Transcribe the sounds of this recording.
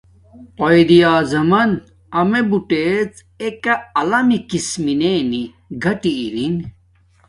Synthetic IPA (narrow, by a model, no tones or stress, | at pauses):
ojd̪ijaːzɐmɐn | ɐmebuʈet͡s | ekɐɐlɐmikismineni | ɡʱɐʈiːɾin